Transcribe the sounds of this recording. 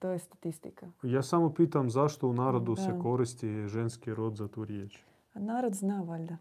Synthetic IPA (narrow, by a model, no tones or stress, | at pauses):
t̪ojɛst̪at̪ist̪ikajaːsamopiːt̪amzaʃt̪ounaːɾod̪usekoɾist̪iʒenskiɾod̪zat̪uːɾjet͡ʃ | anaːɾod̪znaʋalʲd̪a